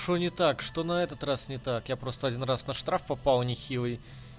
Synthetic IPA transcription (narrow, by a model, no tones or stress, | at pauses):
ʂonʲɪt̪akʂt̪o̞nɐɛt̪ət̪rasnʲɪt̪akjapɾo̞st̪əɐdʲinrasnɐʂt̪ɾafpɐpalˠnʲɪxʲilˠɨj